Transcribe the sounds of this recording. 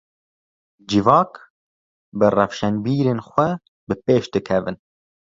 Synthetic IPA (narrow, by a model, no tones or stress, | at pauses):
d͡ʒɪvɑːk | bɨrɛfʃɛnbiːɾeːnxʷɛ | bɨpeːʃd̪ɨkʰɛvɨn